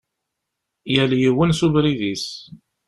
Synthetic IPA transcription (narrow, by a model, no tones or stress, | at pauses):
jæljiwənsuvɾiðis